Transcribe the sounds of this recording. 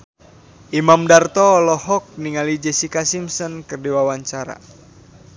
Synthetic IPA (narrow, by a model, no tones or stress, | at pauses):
ʔimamdart̪ɔːlɔhɔk̚niŋalid͡ʒɛsikasimsɔnkərdiwawaɲt͡ʃaɾa̰